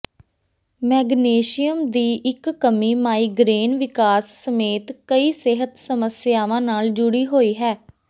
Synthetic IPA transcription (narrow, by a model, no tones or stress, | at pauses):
mɛːɡneːʃijəmd̪iːʔɪkːəmiːmaːiːɡɾeːnʋɪkaːsːəmeːt̪kəiːsɪɦət̪səməsɪjaːʋãːnaːld͡ʒʊɽiːɦoːiːɦɛː